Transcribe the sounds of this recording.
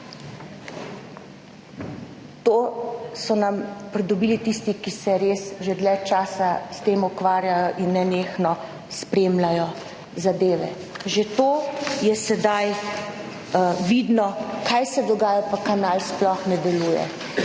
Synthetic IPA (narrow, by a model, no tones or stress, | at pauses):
t̪oːsɔnampɾɛd̪ɔbiːlit̪iːst̪ikisɛɾeːsʒed̪lɛt͡ʃaːsast̪eːmukʋaːɾjajɔʔinːɛneːxnɔ | spɾeːmlajɔ | zad̪eːʋɛ̰ | ʒet̪oːjɛsɛd̪aj | ʋid̪nɔkajsɛd̪ɔɡaːjapakanalsplɔxnɛd̪ɛluːjɛ̰